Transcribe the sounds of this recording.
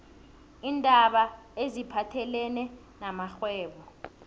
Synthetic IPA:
iːntʼaɓa | ezipʰatʰɛlɛnɛ | namaxwɛːɓɔ

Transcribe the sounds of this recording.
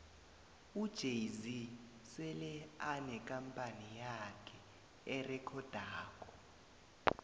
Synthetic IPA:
ud̥ʒ̥ʱejzi | sɛlɛanɛkʼampʼanijakʰɛ | ɛrɛkʰɔd̥ʱaːkʼɔ̥

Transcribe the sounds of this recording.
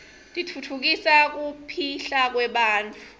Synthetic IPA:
tʼitʰutʰuk̬isak̬upʰiɬak̬wɛɓaːnt͡fʰʼu

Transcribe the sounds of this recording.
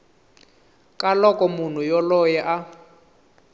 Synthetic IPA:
kʼalɔkʼɔmun̤ujɔlɔjɛʔa

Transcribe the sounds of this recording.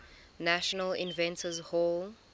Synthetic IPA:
næʃɔnəlɪ̰̃nvɛ̃ntʰəzhɔl

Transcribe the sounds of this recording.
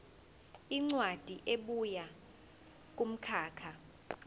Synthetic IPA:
iŋ͡ǀwad̥ʱiʔeɓuja | k̬um̩kʰaːkʰa

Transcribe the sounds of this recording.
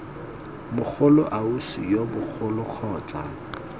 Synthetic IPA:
mʊk͡xʰʊlʊʔausḭjobʊk͡xʰʊlʊk͡xʰɔːt͡sʼa̰

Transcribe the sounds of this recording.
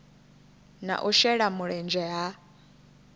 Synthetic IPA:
na̰ʔuʃɛɺamuɺɛnd͡ʒɛɦa

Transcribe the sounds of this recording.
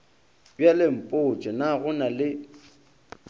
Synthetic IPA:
bjalɪm̩pʼʊt͡ʃʼɪnaɣʊnalɪ

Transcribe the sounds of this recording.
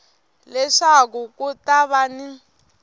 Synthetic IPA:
lɛʂakukutaβani

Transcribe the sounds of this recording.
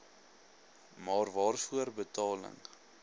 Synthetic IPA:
mɑːrvɑːrfuərbətɑːlə̰ŋ

